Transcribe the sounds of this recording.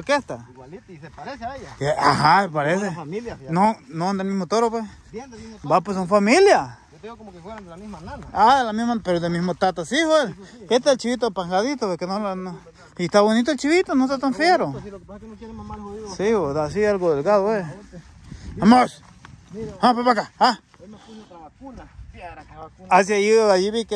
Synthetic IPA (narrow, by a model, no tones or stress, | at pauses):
oɾkest̪a | eahapaɾesenonod̪elmihmot̪oɾopwes | bapwes̬unfamilja | alamimapeɾod̪emimot̪at̪asihoeset̪eelt͡ʃiβit̪opaŋɡaðit̪opekenolano | it̪aβonit̪oelt͡ʃiβit̪onot̪at̪anfjeɾo | siod̪as̬ialɡod̪elɡaðopwe | amos | hãpeβakaa | as̬jajiajiβike